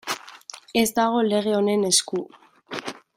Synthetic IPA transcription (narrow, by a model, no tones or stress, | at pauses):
e̞zd̪aɣ̞o̞le̞ɣ̞e̞o̞ne̞ne̞sku